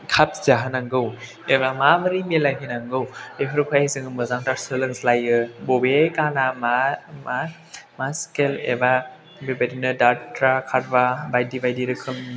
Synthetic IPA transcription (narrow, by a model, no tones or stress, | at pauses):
kʰap̚zaɦɯnaŋɡɯw | eβamabɯɾimelajminaŋɡɯweɦʰɯɾkʰuajzɯŋɯmɯzaŋtaɾsɯlɯŋslajɯbobekanamama | maskelḛba | bebadinɯdatʰɾakʰaɾ̚babajdibajdiɾɯkʰɯm